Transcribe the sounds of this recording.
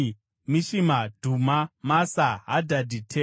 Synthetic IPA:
miʃimadʱumamasaɦadʱadʱitʰe

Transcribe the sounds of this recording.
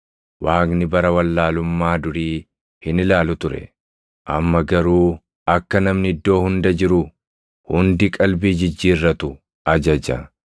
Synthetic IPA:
waːknɪbɐɾɐwɐlːaːlʊmːaːd̪ʊɾiː | hɪnɪlaːlʊt̪ʊɾɛ̰ | ʔɐ̰mːɐɡɐɾuː | ɐkːɐnɐmnɪɪd̪ːo̞ːhʊnd̪ɐd͡ʒɪɾʊ | hʊnd̪ɪkʼɐlbiːd͡ʒɪd͡ʒːiːrːɐt̪ʊ | ʔɐd͡ʒɐd͡ʒɐ̰

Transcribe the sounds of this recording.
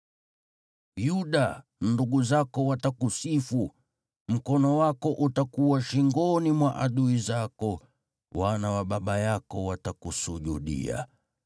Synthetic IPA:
juɗanduɡuzakɔwatakusifu | m̩kɔnɔwakɔʔutakuwaʃiŋɡɔnimwaʔaɗuizakɔ | wanawaɓaɓajakɔwatakusuʄuɗḭa̰

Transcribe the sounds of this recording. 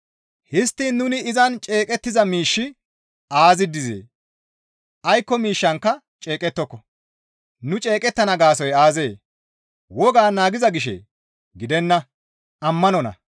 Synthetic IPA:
hɪst̪ːiːnːʊnɪɪzɐnt͡ʃʼe̞ːkʼɛt̪ːɪzɐmiːʃːɪ | aːzɪd̪ːɪzḛː | ʔɐjkːɔmiːʃːɐŋkːɐ | t͡ʃʼe̞ːkʼɛt̪ːɔkːɔ | nʊt͡ʃʼe̞ːkʼɛt̪ːɐnɐɡaːsɔjaːze̞ː | wɔɡaːnaːɡɪzɐɡɪʃḛ | ɡɪd̪ɛnːɐ | ɐmːɐnɔnɐ̰

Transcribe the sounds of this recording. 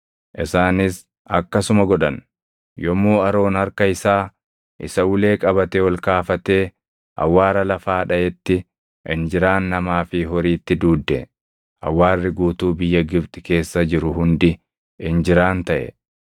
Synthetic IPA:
ʔɪsaːnɪs | ɐkːɐsʊmɐɡɔᶑɐn | jɔmuːɐɾo̞ːnhɐɾkɐɪsaː | ʔɪ̰sɐwʊle̞ːkʼɐbɐt̪ewɔlkaːfɐt̪eː | ʔɐ̰wːaːɾɐlɐfaːᶑɐʔɛt̪ːɪ | ʔɪnd͡ʒɪɾaːnːɐmaːfɪɦɔɾiːt̪ːɪd̪uːd̪ːɛ | ɐ̰wːaːrːɪɡuːt̪uːbɪjːɐɡɪbt̪ʼɪke̞ːsːɐd͡ʒɪɾʊɦʊnd̪ɪ | ɪnd͡ʒɪɾaːnt̪ɐʔɛ̰

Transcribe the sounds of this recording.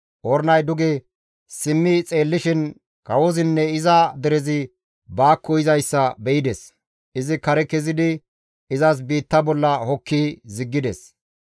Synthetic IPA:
ʔɔɾnɐjd̪ʊɡɛ | sɪmːɪt͡sʼe̞ːlːɪʃɪn | kɐwɔzɪnːɛɪzɐd̪ɛɾɛzɪ | baːkʰːɔɪzɐjsːɐbɛʔɪd̪ɛs | ʔɪzɪkɐɾɛkɛzɪd̪ɪ | ɪzɐs̬biːt̪ːɐbɔlːɐhɔkʰːizɪɡːɪd̪ɛs

